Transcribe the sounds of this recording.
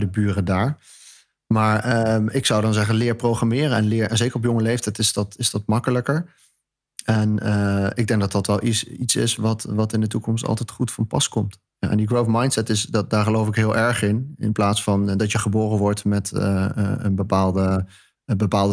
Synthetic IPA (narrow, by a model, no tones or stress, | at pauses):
dəbyːrədaːɹ | maːɹəɪksɑwdɑnzɛχənlɪːɹprowχramɪːɾəɛnlɪːɹɛnzejkəɹɔpjɔŋəlejftɛjtɪsdɑtɪzdɑtmɑkələkəɹ | ɛnəɪɡ̚dɛŋɡ̚dɑtdɑtʋɛlˠʔisitsɪ̰sʋɑtʋɑtɪndətukɔmstɑ̰lˠtɛjtχutfɑnpɑ̰skɔmt | ja̰ʔɛ̰ndiɡɹowfmɑjntsɛtɪsddaːɹχəlowfɪkɦɪːlˠʔɛɹχɪnɪ̰nplaːtsfɑndɑtjəχəboːrənʋɔɹtmɛtə̰ənbəpaːlˠdə | bəpaːlˠdə